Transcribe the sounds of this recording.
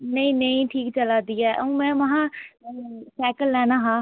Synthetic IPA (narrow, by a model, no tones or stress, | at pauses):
nəĩnəĩʈʰiːkt͡ʃɐlad̪ijaʔɐũmẽmɐɦã | sɛkəlːɛːnaɦã